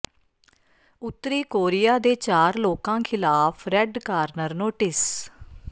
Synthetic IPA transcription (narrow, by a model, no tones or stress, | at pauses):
ʊt̪ːɾiːkoːɾɪjaːd̪eːt͡ʃaːɾloːkãːkʰɪlaːpʰɾɛɖkaːɾnəɾnoːʈɪs